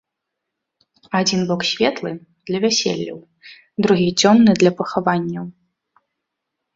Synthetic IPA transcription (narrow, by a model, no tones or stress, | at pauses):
ad͡zʲinbɔksʲvʲɛt̪lˠɨ | d̪̥lʲɐvʲɛsʲɛ̰lʲːɐ̰w | d̪ɾuɣʲid͡zʲɔnːɨd̪lʲɐpɐxavanʲːɐw